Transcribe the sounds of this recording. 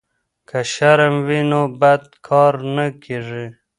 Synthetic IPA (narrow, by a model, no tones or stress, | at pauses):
kʰaʃaɾamwinobad̪̚kʰɑɾnakeʐi